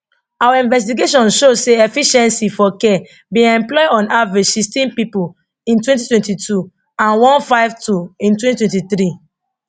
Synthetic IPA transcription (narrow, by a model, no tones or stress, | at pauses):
awaĩnvɛs̬tiɡeʃɔ̃nʃoseɛfiʃɛ̃nsifɔkɛ | bĩɛ̃mplɔjɔ̃navid͡ʒsistĩnpipul | ĩntwɛ̃ntitwɛ̃ntitʰu | ãnwɔ̃nfaɪv̥tuĩntwɛ̃titwɛ̃ntiθɾi